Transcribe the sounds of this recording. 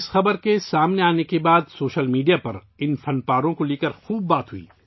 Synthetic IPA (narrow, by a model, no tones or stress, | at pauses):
ɪsxɐbəɾkesaːmneaːnekebaːd̪soːʃəlmiːɖijapɐɾ | ɪnfɐnpaːɾõkoleːkəɾxuːbːaːt̪ɦʊḭː